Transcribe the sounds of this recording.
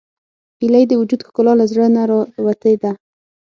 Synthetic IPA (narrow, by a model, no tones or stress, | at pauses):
ilajd̪əwʊd͡ʒud̪xkʊlɑlazɽənaɾwat̪ed̪a